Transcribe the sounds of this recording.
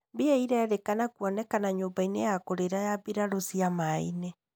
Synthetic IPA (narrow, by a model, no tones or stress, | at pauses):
beɛiɾɛːðekanakwɔnɛkanaɲoːmbainejakoɾeɾajabiɾaɾosiamaḭnɛ